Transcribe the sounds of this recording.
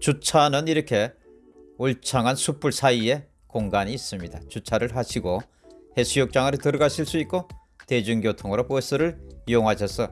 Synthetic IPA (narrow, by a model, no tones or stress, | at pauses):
t͡ɕut͡ɕʰanɯniɾʌkʰe̞ | oɭt͡ɕʰaŋɦansʰup͈ʰuɭsʰaie̞ | koŋɡaɲiːs͈ɯmɲidat͡ɕut͡ɕʰaɾɯɭɦaɕʰiɡo | he̞sʰujok̚t͡ɕ͈aŋɯɾɯtɯɾʌɡaɕʰiɭs͈uit̚k͈o | te̞d͡ʑuŋɡjotʰoŋɯɾopoesɯɾɯɭjoŋɦaɕʰʌsʰʌ